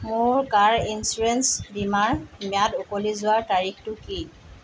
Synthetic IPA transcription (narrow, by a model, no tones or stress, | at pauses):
mʊɹkaɹinsuɹensdimaɹmiadʊkolizʊwaɹtaɹixtʊki